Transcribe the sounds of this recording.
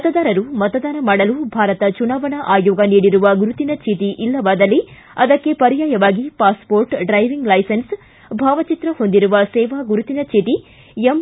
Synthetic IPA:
ɐt̪ɐd̪aːɾɐɾumɐt̪ɐd̪aːnɐmaːɽɐlubʱaːɾɐt̪ɐt͡ʃunaːʋɐɳɐʔaːjoːɡɐniːɽiɾuʋɐɡuɾut̪inɐt͡ʃʰeːt̪iʔilːɐʋaːd̪ɐlːi | ɐd̪ɐkːe̞pɐɾjaːjɐʋaːɡipaːspoːɾʈɖɾɐjʋiŋɡlɐjsɐns | bʱaːʋɐt͡ʃit̪ɾɐhond̪iɾuʋɐsɛːʋaːɡuɾut̪inɐt͡ʃʰeːt̪i | em

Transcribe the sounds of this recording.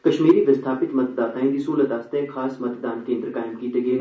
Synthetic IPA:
kɐʃmiːɾiʋɪst̪ʰaːpɪt̪mɐt̪̚d̪aːt̪ʰaːĩd̪isuːlət̪aːst̪ẽxaːsmɐt̪d̪aːnkẽːnd̪ɾəkaːɪmkiːt̪eɡeːn

